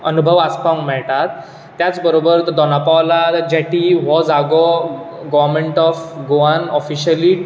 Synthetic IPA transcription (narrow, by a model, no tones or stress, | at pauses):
ənubʱəʋaspaŋkmɛɭʈ̪at̪ː | jat͡sbəɾobəɾd̪ɔnapaʋlad͡ʑɛʈiʋɔd͡zaɡɔ | ɡɔʋəɾmeɳʈɔfɡoanɔfiɕəli